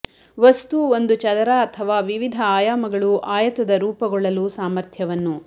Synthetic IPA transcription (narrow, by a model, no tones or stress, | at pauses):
ʋɐst̪uo̞nd̪ut͡ʃɐd̪ɐɾaɐt̪ʰɐʋaːʋiʋid̪ʱɐaːjaːmɐɡɐɭuʔaːjɐt̪ɐd̪ɐɾuːpɐɡɔɭːɐlusaːmɐɾt̪ʰjɐʋɐnːu